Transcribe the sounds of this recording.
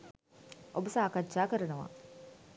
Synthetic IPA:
ʔobəsaːkatːt͡ʃːaːkəɾənəʋa̰

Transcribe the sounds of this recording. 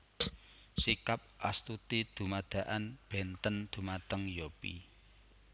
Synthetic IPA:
sikap̚ʔa̰st̪ut̪id̪̥ṳmad̪̥a̤ʔanb̥ɛ̤nt̪ənd̪̥ṳmat̪əŋjopḭ

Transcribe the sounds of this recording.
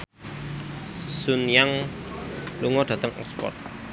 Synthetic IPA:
sunjaŋ | luŋɔd̥ä̤t̪əŋʔɔ̰kspɔ̰t̪̚

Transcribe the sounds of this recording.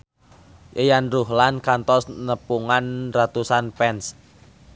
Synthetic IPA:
ʔəjanruɦlankant̪ɔsnəpuŋanrat̪usanpɛns

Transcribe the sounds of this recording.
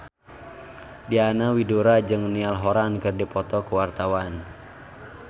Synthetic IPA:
dianawiduɾad͡ʒɨŋnialɦɔɾankɨrdipɔt̪ɔkuwart̪awan

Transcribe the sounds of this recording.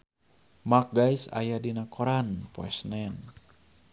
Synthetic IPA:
mak̚ɡajsa̰jadinakʰoɾanpo̰ɛsnɛn

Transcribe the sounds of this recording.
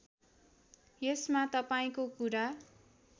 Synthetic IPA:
jesmat̪ʌpaĩkokuɾa

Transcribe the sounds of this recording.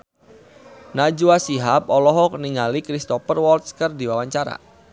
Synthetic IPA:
nad͡ʒuasiɦapɔlɔɦɔk̚niŋalikɾist̪ɔfərwɔlt̪̚skərdiwawaɲt͡ʃaɾa̰

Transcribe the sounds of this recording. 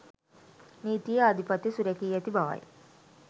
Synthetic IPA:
niːt̪ijəːd̪ʱipat̪isuɾɛkiːɛt̪ibaʋa̰j

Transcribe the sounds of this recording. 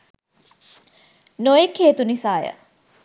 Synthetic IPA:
nojekʰeːt̪unisaːjə̰

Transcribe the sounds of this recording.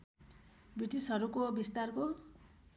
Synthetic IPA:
biʈisʌɾukobist̪arko

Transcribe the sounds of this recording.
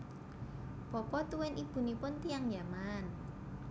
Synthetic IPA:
pɔpɔt̪uwɛnib̥ṳnipʊnt̪ijaŋjaman

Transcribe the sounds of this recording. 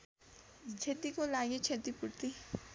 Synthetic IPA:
t͡ʃʰet̪ikolaːɡet͡ʃʰet̪ipʊɽt̪i

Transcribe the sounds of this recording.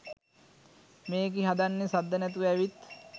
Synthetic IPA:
meːɡiɦad̪anːesad̪ːənɛt̪uʋæʋit̪

